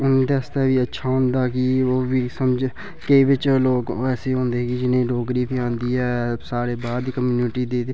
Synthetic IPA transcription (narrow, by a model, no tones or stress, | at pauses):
ʊnːd̪eəst̪eːʋiːətːʃʰaːɦʊ̃nd̪aːkiːoːʋiːsəmd͡ʒ | keiʋɪt͡ʃloːkɛːseːɦõːnd̪eːɡiːd͡ʒɪnẽːɖoːɡɾiːpʰiːãːnd̪iːɦɛːsaːɾeːbaːd̪kəmjuːnɪʈiːd̪eːd̪eː